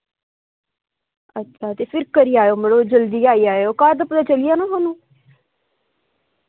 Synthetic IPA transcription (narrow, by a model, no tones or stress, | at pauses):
ətːʃʰaːt̪eːpʰɪɾkəɾiːaːjoːməɽoːd͡ʒəld̪iːaːiːaːoːkaːɾd̪əpəd̪aːt͡ʃəlijaːnãːɦonũː